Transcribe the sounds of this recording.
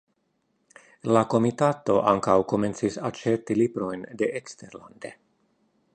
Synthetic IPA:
lako̞mit̪at̪o̞ʔaŋkawko̞me̞nt͡sisat͡ʃeɾt̪ilibɾo̞jnd̪e̞ʔekst̪eɾla̰nd̪e̞̰

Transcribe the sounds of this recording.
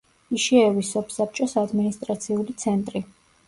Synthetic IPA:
iʃiɛvisɔpʰsap̚t͡ʃʼɔsad̪minist̪ʼɾat̪sʰiulit̪sʰɛnt̪ʼɾi

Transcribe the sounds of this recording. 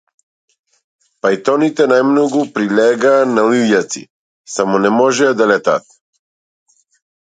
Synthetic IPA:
pajt̪ɔnit̪ɛnajmnɔɡupɾilʲɛɡaːnalijat̪sḭ | samɔnɛmɔʒɛd̪alɛt̪a̰t̪̚

